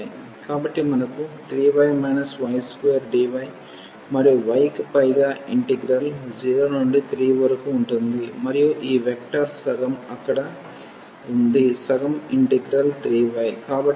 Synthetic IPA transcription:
kaːbɐʈːimɐnɐkːut̪ɾiːʋɐjmɐːnɐsʋɐɪskejɐɾɖiːʋɐj | mɐɾɐjoʋɐɪkpɐjɣaɪɳʈiɡɾɐld͡ʒiːɾoːnoɳɖɯt̪ɾiːʋɐɾɯkːɯʊɳʈɯnd̪ɯmɐɾɪjoːʔiːʋɛk̚ʈaːɾsɐɣɐmɐkːɐɽɐ | ʊnd̪ɯsɐɣɐmɪɳʈɪɡɾɐlt̪ɾiːʋɐjkaːbɐʈ

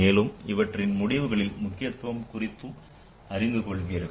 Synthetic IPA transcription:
eːlɯmɪʋɐʈrɪnmʊɽɪʋɯɣɐɭɪlmʊkːɪjɐt̪ːʋɐmkʊrɪt̪ːɯ | ɐɾɪnd̪ɯkɔɭʋijɐɾɯɣ

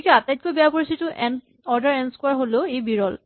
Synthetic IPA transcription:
ikɛatajt̚kojbɛjapoɹisitʊʔɛn | ɔɹdaɹɛnskwaɹɦoloejbiɹɔl

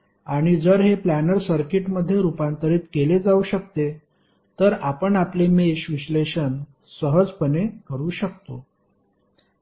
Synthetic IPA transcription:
aɽ̃id͡zəɾɦeplænəɾsəɾkiʈməd̪ʱːjeɾupant̪əɾiːt̪keled͡zauɕək̚t̪e | t̪əɾapəɳaplemeɕʋiɕleɕən | səɦəd͡zpənekəɾuːɕək̚t̪o

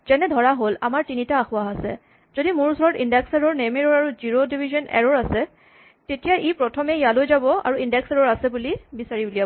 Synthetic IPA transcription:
z̥ɛnɛdʱɔɹaɦola̰maɹtinitaːxʊwaɦasɛ̰ | zodimʊɹusɔɹɔtindɛksɛɹɔɹnemɛɹɔɹaɹuziɹodibʱizɔnɛ̰ɹɔɹasɛ | tetijaʔipɹɔtʰɔmɛjalojzabɔa̰ɹuindɛksɛɹɔɹasɛbulibisaɹibulijabɔ

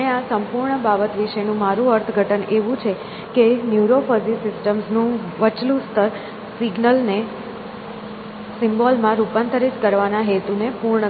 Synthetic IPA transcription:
easəmpuɾɳəbabət̪ʋiʃenũmaɾũəɾt̪ʰəɡʱəʈəneʋũt͡ʃʰe | kenjuɾofəzisɪsʈəmsnũʋət͡ʃlũst̪ʰəɾ | sɪɡnəlne | sɪmbɔlmãɾupãnt̪ʰəɾitkəɾʋanaɦet̪unepuɾɳə

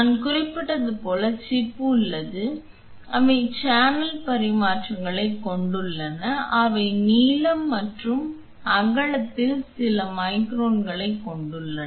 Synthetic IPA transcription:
ɐnkʊrɪpːɪʈːɐðɯpoːlɐt͡ʃɪpːɯɪlːɐðɯ | ɐʋɐɪt͡ʃaːnɐlpɐɾɪmaːʈrɐŋɡɐɭɐɪkːɔɳɖɯɭːɐnɐʔɐʋɐɪniːlɐmːɐʈrɯm | ɐɣɐɭɐt̪ːɪlsɪlɐmɐɪkɾoːnɡɐɭɐɪkːɔɳɖɯɭːɐ

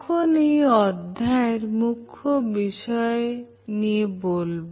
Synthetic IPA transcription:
kʰonejɔd̪ʱːaeɾmukʰːobiʃɔe | niebolb

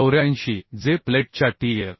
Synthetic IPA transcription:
əwɾjanɕid͡zepleʈ̚t͡ɕaʈijeɾ

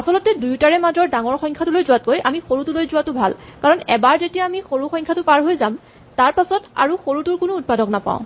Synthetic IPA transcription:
asɔlɔtɛdujtaɹɛmazɔɹdaŋɔɹxɔjŋkʰatʊlojzuwat̚kojʔamixoɹutulojzʊwatʊbʱa̰lkaɹɔnɛbaɹzetijaːmixoɹuxɔŋkʰatʊpaɹɦojzam | taɹpasɔta̰ɹuxoɹutʊɹkʊnʊːt̚padɔknapã̰ʊ̃

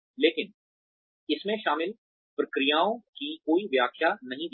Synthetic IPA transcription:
leːkɪn | ɪsmẽʃaːmɪl | pɾɐkɾijaːõkikoːiʋjaːkʰjanɐɦĩd̪

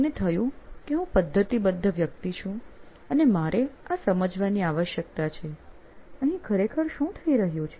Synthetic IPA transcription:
net̪ʰəjũkeɦũpəd̪ʱːət̪ibəd̪ʱːəʋjək̚t̪it͡ʃʰũ | ənemaɾʔeasəməd͡ʒʱʋaniaʋəʃjək̚t̪at͡ʃʰe | əɦĩkʰəɾekʰəɾʃũt̪ʰəiɾəɦjũt͡ʃʰe

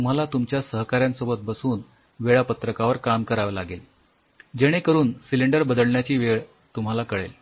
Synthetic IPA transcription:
t̪um̤alat̪umt͡ɕjasəɦkaɾjãnsobət̪̚bəsuːn | ʋeɭapət̪ɾəkaʋəɾkamkəɾaʋəlaɡel | d͡ʑeɽ̃ekəɾuːnsiliɳɖəɾbəd̪əlɳjat͡ɕiːʋeɭ | t̪um̤alakəɭḛl

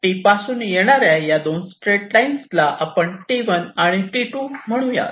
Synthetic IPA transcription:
ʈipasuːnjeɽ̃aɾjajad̪onsʈɾeʈlainslaʔapəɳʈiʋənaɽ̃iʈiʈuːm̤əɽ̃ũja̰

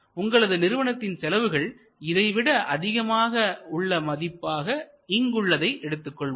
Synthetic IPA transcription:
ʊŋɡɐɭɐðɯnɪɾɯʋɐɳɐt̪ːɪnsɛlɐʋɯɣɐɭ | ɪðɐɪʋɪɽɐʔɐðɪɣɐmaːɣɐʊɭːɐmɐðɪpːaːɣɐ | ɪŋɡɯɭːɐðɐɪʔɛɽɯt̪ːɯkːɔɭ

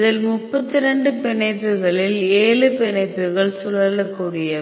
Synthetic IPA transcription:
ðɪlmʊpːɐt̪ːɪɾɛɳɖɯpɪɳɐɪpːɯɣɐɭɪleːɭɯpɪnɐɪpːɯɣɐɭsʊlɐlɐkːuːɽɪjɐ

